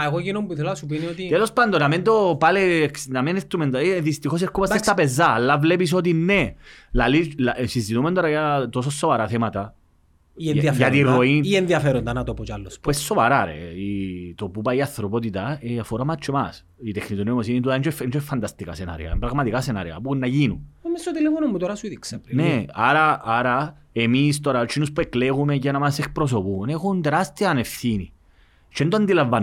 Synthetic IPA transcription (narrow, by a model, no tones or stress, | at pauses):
aeɣokinombuθolasup̬iniot̪it̪elospand̪onament̪̬opaleknamenest̪ɾument̪aeðist̪ikos̬eɾkːupasest̪apez̬ːalːavlep̬is̬ɔd̪inːelalilasist̪it̪umend̪oɾajat̪os̬osːovaɾaθemat̪a | ienðiafjat̪iroinienðiafeɾond̪anat̪opot͡ʃalːosppwɛsːovaɾaɾḛit̪opupaiaθɾopot̪̬it̪aeafoɾamat͡ʃːemas | it̪ekʰːnit̪unmosinit̪ut̪ant͡ʃfent͡ʃoefːant̪ast̪ika̰sena̰ɾḭa̰mpɾaɣmat̪ikasenaɾia̰punːajinuomːesot̪elefonomːut̪oɾasuiðiksapneaɾaaɾa | emist̪oɾat͡ʃinuspekleɣumecenamasekpɾos̬opunexund̪ɾast̪ianefθini | t͡ʃend̪oand̪ilavːan